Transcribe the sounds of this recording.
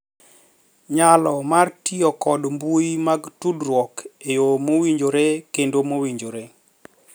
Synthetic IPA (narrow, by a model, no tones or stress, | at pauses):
ɲalɔmartiɔkɔdmbujimaɡtudrwɔkejomowiɲd͡ʒoɾekendomowiɲd͡ʒoɾe